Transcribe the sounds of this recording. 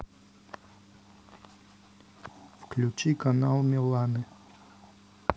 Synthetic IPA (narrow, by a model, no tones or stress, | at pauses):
fklʲʉt͡ɕikanalˠmʲɪlˠanɨ